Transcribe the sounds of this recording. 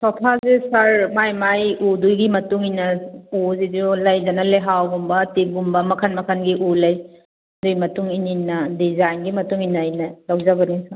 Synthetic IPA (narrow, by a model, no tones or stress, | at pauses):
sɔpʰazesaɾmajmajudujɡimɐtuŋinɐuzidiolɐjdɐnɐleɦawɡumbɐtiɡumbɐmɐkʰɐnmɐkʰɐnɡiʔulɐj | dujmɐtuŋininːɐdizajnɡimɐtuŋinɐjnɐlɐwzɐbɐniŋsa